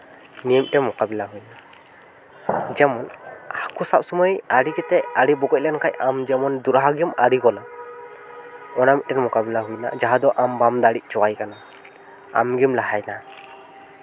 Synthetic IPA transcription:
niəmtɛmɔkabɛlaɦujna | d͡ʒɛmɔnakusap̚sɔmɔjaɾiɡɛt̪ɛaɾibɔɡɔc̚lɛnkʰajʔamd͡ʒɛmɔnd̪uɾaɦaɡiumaɾiɡɔla | ɔnamit̪̚tɛmɔkabɛlaɦujna̰d͡ʒaɦad̪ɔʔambamd̪aɽic̚ˀt͡ʃɔwajkana | a̰mɡimlaɦajna

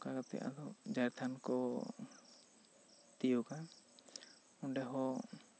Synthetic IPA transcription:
kaɡat̪ɛ̰ʔa̰lɔd͡ʒajɾt̪ʰankɔ | t̪ijɔka | unɖɛɦɔ

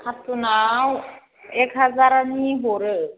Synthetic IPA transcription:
kʰat̪unaw | ekɦad͡zaɾaniɦoɾə

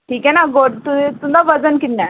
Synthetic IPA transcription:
ʈʰiːkɛnaɡoɽt̪ut̪ũd̪ʱaʋəd͡zənkiʈna

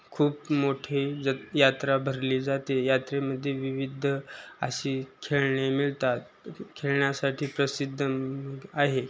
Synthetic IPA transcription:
kʰuːpmoʈʰijat̪ɾabʱəɾliːd͡zat̪ejat̪ɾeməd̪ʱːjeʋiʋid̪ʱəə̰ɕiːkʰeɭɳemiɭt̪at̪̚ | kʰeɭɳjasaʈʰiːpɾəsid̪ʱːəaɦe

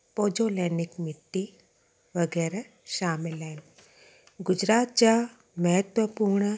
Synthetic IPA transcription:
poːd͡ʒoːleːnɪkmɪʈ̪ːi | ʋɐɡɛːɾa | ʃaːmɪlɛːn | ɡʊd͡ʒɾaːt̪̚t͡ʃa | mɐɦət̪ʋəpuːɾɳə

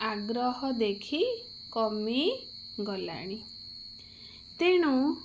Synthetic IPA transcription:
aɡɾɔɦɔd̪ekʰi | kɔmi | ɡɔla̰ɽ̃i | t̪eɽ̃u

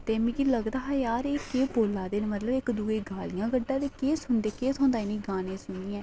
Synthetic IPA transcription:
t̪eːmĩːkiːləɡd̪aːɦaːjaːɾeːkeːboːlːaːd̪eːnːmət̪ləbɪkd̪uːeːɡaːlɪjãːɡəɖːãːd̪eːkeːsʊɳd̪eːkeːt̪ʰõːnd̪aːɪniːɡaːnẽːsʊniːɛ̃ː

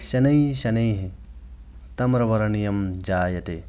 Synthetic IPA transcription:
ʃɐnɐjɕɐnɐjɦi | t̪ɐmɾɐʋɐɾɐɳijɐmd͡ʒaːjɐt̪e

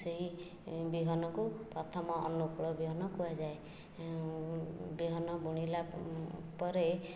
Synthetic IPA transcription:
seɦi | biɦɔnɔkupɾɔt̪ʰɔmɔɔ̰nukuɭɔbiɦɔnɔkuwad͡ʒaj | biɦɔnɔbuɽ̃ila | pɔɾe

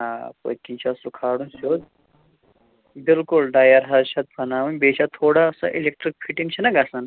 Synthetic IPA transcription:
apo̰jkit͡ʃʰasukʰaːɽũnsod̪̚ | bilkulɖajɐɾɦɐɾɕɐt̪̚pʰɐnaʋɐnʲbeɕat̪ʰoːɽaːsa̰ʔilek̚ʈɾik̚fʰiʈiŋt͡ʃʰɐnɐɡasan

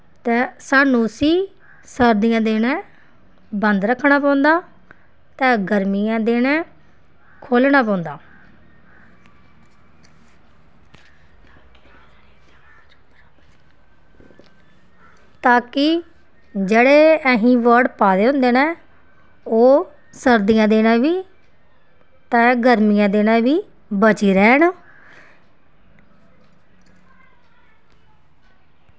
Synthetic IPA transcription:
t̪ɛ̃ːsaːnũːsiː | səɾd̪ijãːd̪eːnɛ̃ː | bənd̪ɾəkʰːɳaːpãːnd̪aː | t̪ɛ̃ːɡəɾmijãːd̪eːnɛ̃ː | kʰoːlnaːp̬ɔ̃ːʊ̃nd̪aː | t̪aːkɪ | d͡ʒeːɽeːəɦĩːʋəɾɖpaːd̪eːɦʊ̃nd̪eːnɛ̃ː | oː | səɾd̪ijãːd̪eːnãːʋiː | t̪ɛ̃ːɡəɾmijãːd̪eːnãːʋiː | bət͡ʃiːɾɛːɳ

